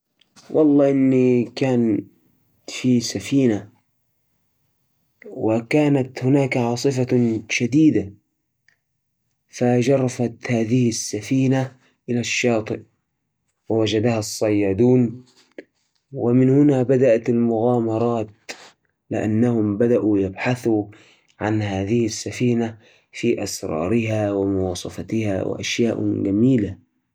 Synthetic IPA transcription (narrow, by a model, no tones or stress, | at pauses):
wʔɑlˤːɑːʔɪnːikaːn | fisafiːna | wɪkaːnat̪hʊnaːkʕɑːsˤɨfaʃad̪iːd̪a | fad͡ʒɑrˤːɑfat̪haːðɪhɪsːafiːna | ʔɪlaʃːɑːt̪ˤɨʔ | wɪwad͡ʒad̪ahɑsˤːɑjːɑːd̪uːn | wɪmɪnhʊnabad̪aʔat̪almʊɣaːmɑɾˤɑːt̪̚ | lɪ̰ʔa̰nːahʊmbad̪aʔujabħaθu | ʕanhaːðɪhɪsːafiːna | fiːʔasɾˤɑ̰ːɾɪɦawɪmʊwɑːsˤɑfɑt̪ɪha̰wɪ̰ʔa̰ʃjaːʔɡamiːla